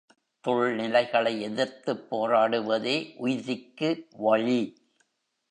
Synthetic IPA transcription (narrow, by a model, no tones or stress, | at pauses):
t̪ɔɭnɪlɐɪɣɐɭɐɪɛðɪɾt̪ɯpːoːɾaːɽɯʋɐðeːʔʊjɪðɪkːɯʋɐɻi